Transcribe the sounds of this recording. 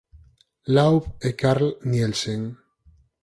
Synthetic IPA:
lawpekaɾlnjelseŋ

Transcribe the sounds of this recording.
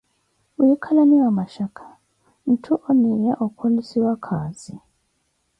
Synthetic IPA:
ujikʰalaniwamaʃakʰḁ | n̩tʰuʔonijaʔukʰolisiwakʰaːzi

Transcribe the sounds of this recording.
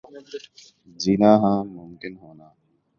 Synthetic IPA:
d͡ʒinaːɦãːmʊmkɪnɦoːnaː

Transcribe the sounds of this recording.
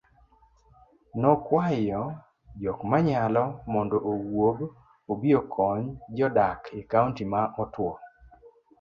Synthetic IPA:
nɔkwajɔ | d͡ʒɔkmaɲalɔmɔndɔʔowob | obiokʰɔɲd͡ʒɔdakekauntimamɔtwɔ

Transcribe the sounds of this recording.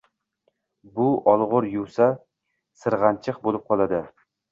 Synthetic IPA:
bʊɒlˠʁʊɾjuwsa | sɨɾʁɑnt͡ʃʰɨqbolˠɪp̚qʰɒlˠad̪ɪ

